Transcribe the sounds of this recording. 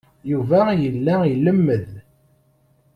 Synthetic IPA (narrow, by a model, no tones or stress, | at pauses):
juvæjəlːæilːəmːəð